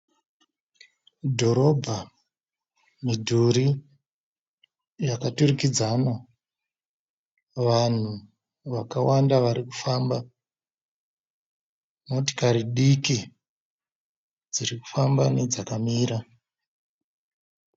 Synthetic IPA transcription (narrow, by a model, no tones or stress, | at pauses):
dʱo̞ɾo̞bʱa | midʱuɾi | jakaturikid͡zana | ʋan̤u | ʋakawandaʋaɾikufaːmba | moti̥kaɾiɗiki | d͡ziɾiku̥fambaned͡zakamiːɾa